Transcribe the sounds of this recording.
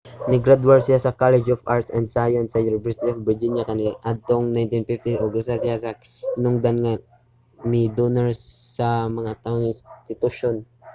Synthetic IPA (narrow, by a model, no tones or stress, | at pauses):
nɪɡɾad̪waɹsɪjasɐkalɛd͡ʒofʔaɹt̪sɛnd̪sajɐnsːɐjʊnɪvɛɹsɪt̪iofbɹɪd͡ʒinjakɐniʔad̪̚t̪oŋnajnt̪infift̪iʔoɡʊst̪asɪjasɐkɪnʊŋd̪anŋa | mid̪onɛɹsɐmɐŋat̪aoŋɪnst̪ɪt̪ʊʃon